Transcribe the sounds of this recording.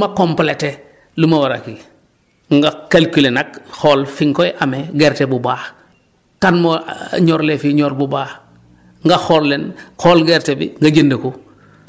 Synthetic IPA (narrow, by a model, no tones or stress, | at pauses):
makomplete | lumawaɾaki | ŋɡakalkilenakxoːlfiŋkojʔameɡeːɾtebubaːx | kanmoɲoːɾlefiɲoːlbubaː | ŋɡaxoːlːenxoːlɡɛɾtebḭŋɡɐɟəndəku